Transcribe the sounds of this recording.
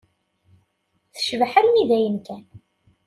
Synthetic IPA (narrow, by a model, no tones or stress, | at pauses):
θəʃvħəɾmiðæjənkæn